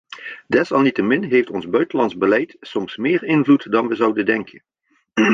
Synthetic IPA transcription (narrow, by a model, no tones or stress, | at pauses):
dɛsɑlˠnitəmɪnɦejftɔnzbœɥtəlɑnzbəlɛjtsɔmsmɪːɹɪnvlutdɑnʋəzɑwdədɛŋkʰən